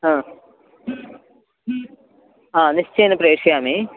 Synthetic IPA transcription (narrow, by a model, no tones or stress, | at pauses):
aː | aːnist͡ɕeːnɐpɾeːʂjaːmi